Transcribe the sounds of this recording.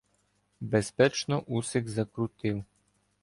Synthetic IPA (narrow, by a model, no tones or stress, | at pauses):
bɛspɛt͡ʃnɔʔusɛkzakɾut̪iw